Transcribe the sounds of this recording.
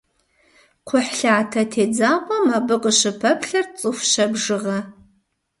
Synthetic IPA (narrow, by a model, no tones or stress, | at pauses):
qʷʰʊħɬaːtʰɐtʰeːd͡zaːqʷʼɔmɐbɨqʼəɕɨpʰɐpʰɬɐrt͡sʼɨfʷʃɐbʐɨʁɐ